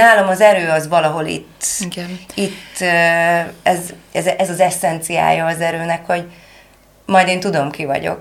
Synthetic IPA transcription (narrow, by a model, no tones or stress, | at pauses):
naːlo̞mɒzɛɾøːɒzʋɒlɒɦo̞lḭt̪ːɡit̪ːø | ɛzɛzʔɛzɒzɛsːɛnt̪sija̰ːjɒːzɛɾøːnɛkho̞ɟ | mɒjd̪eːnt̪ud̪o̞mkivɒ̰ɟo̰k̚